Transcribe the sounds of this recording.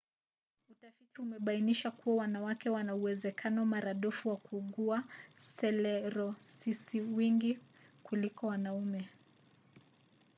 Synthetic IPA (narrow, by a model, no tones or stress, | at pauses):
utafitiumɛɓainiʃakuwawanawakɛwanauwɛzɛkʰanɔmaɾaɗɔfuwakuːɠuasɛlɛɾɔsisiwiŋɡi | kulikɔwanaumɛ